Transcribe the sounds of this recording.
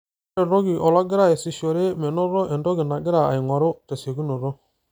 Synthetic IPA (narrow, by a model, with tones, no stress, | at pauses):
e˨ɾo˦ɡɪ˨ʔɔ˨la˦ɡɪ˦ɾa˨ɛ˨si˦ʃɔ˨ɾe˦mɛ˨nɔ˦ɾɔ˦ʔɛ˨ndɔ˦ɡɪ˨na˨ɡɪ˦ɾa˨a̰˨ɪ˨ŋʷa˨ɾʊ˦tɛ˨se˨ɡu˦no˨ɾɔ˦